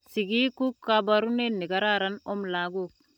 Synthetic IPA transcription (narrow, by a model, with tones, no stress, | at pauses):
si˨ɡi˦ku˦kːa˦ba˦ɾu˦ne˦nːi˨ka˦ɾa˦ɾa˦no˦mla˨˦ɡo˦˨k̚